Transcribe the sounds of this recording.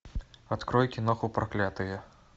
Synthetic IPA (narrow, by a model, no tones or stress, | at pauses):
at̪kɾɔjkʲinɔxupɾaklʲat̪ɨjɛ